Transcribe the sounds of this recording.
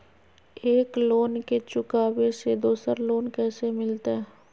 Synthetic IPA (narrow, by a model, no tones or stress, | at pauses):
eːkloːnket͡ʃʊkaːbesed̪oːsəɾloːnkɛːsemɪlt̪aɦɛ